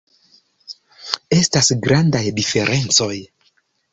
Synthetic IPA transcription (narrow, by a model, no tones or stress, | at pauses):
e̞stasɡɾandajdife̞ɾʔe̞nt͡so̞j